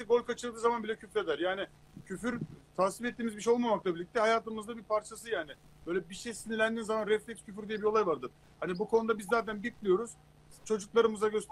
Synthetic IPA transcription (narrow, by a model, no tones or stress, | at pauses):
ʃiɡo̞lʲkat͡ʃʰɯlˠd̪ɯːzamanbilʲɛcʰyfɾed̪æɾjaːnɪ | cʰyfyɾt̪ʰaːsifɛt̪ːiːmizbiʃejo̞lˠmamaklˠabilʲic̚t̪ʰɛhajaːt̪ɯmɯzd̪abiɾpʰaɾt͡ʃʰas̬ɯjaːnɪ | b̥ø̞jlʲɛbiʃejsinilʲænd̪iːnzamanɾɛflʲɛkscʰyfyɾd̪ijɛbio̞ajvaɾd̪ɯ | hanibukʰo̞nud̪abizːaːt̪̬ʰænbit̪lʲijo̞ɾuz̥ | t͡ʃʰo̞d͡ʒuklˠaɾɯmɯzaɟøs